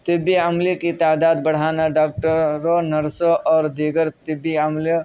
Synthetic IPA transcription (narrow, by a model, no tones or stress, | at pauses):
t̪ɪbiəmlikit̪aːd̪aːd̪bəɽ̤aːnaɖaːk̚ʈəɾːonɐɾsoʔɔːɾd̪iɡəɾt̪ɪbːiəmli